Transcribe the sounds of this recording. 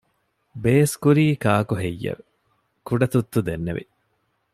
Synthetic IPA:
beːskuɾiːkaːkuɦejːɐ̰ʋe | kuɖɐt̪ut̪ːud̪enːḛʋḭ

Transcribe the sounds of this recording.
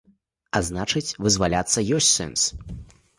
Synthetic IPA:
aznat͡ʂɨt͡sʲvɨzvalʲat̪sːɐjɔsʲt͡sʲsɛ̰ns

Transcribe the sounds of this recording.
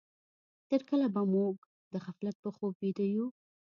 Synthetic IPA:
t̪eɾkəlabamoɡ | d̪əɣaflat̪̚pəxob̚bid̪əju

